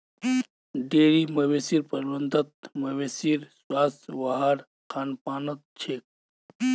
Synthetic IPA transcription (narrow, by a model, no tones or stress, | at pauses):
ɖeːɾimɐweːsiɾpɐɾbɐnd̪ɐt̪̚mɐweːsiɾswaːsʋɐɦaɾ | kaːnpaːnɐt̪̚t͡ʃʰeːk̚